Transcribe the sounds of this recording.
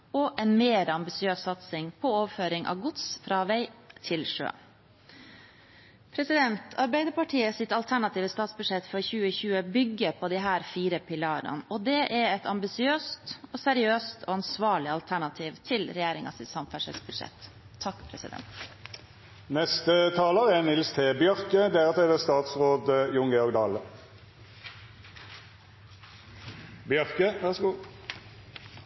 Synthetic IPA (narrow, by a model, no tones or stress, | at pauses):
ɔʔɛnmeːɾɑmbɪsɪøːsɑt̪sɪŋpʰɔoːʋføːɾɪŋʔɑ̰ʋɡʊt̪sfɾɑːʋæɪt̪ʰɪlʂø̰ː | pʰɾɛsɪd̪ɛnt̪ʰɑɾbæɪd̪əɾpɑʈʰiːəsɪt̪ɑlt̪ʰæɳɑt̪iːʋəst̪ɑːt̪sbʉd̪ʂɛt̪ːfɔɾɔçʉːəçʉːəbʏɡːəpʰɔd̪ɪɦæːɾfiːɾəpɪlɑːɾə̰nɔd̪ɛʔɛɾɛt̪ʰɑmbɪsɪøːst̪ɔsɛɾɪøːst̪ʰɔɑnsʋɑːɭɪɑlt̪ʰæɳɑt̪ʰiːʋt̪ʰɪlɾɛjeːɾɪŋɑ̰sɪsɑmfæʂɛ̰lsbʉd̪ʂɛ̰t̪ʰː | ɑkːpʰɾɛsɪ̰d̪ɛ̰nt̪ | nɛst̪ət̪ʰɑːləʁɛnɪlst̪ʰeːbjœʁkəd̪æʁət̪ʰeːd̪ɛst̪ɑːt̪sʁoːd̪əjʊŋɡɛɔʁɡd̪ɑːlə | bjœʁkəʋæʁsɡuː